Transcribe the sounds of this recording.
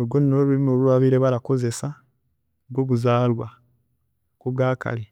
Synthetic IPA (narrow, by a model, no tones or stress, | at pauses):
ɡoninoβuimoluaβiːɾe̞βaɾako̞ze̞sa | ɡɡoːβuzaːlwa | koβɡaːka̰li